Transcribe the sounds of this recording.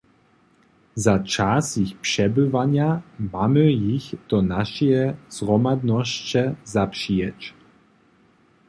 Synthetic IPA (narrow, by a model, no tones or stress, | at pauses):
zat͡ʂasjixpʂɛbɘvaɲamamɘjixd̪̥ɔnaʃɛzʁɔmad̪nɔɕt͡ɕɛzapʂijɛt͡ɕ